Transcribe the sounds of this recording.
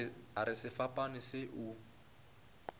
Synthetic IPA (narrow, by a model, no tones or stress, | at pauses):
aɾɪsɪfapʼanɪsɪʔu